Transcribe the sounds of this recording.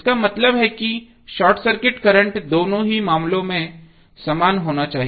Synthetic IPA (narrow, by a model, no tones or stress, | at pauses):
skamɐt̪ləbɦɛki | ʃaːɾʈsəɾkɪʈkɐɾə̃ɳʈd̪oːnõɦimaːmlõmẽ | sɐmaːnɦoːnat͡ʃaːɦi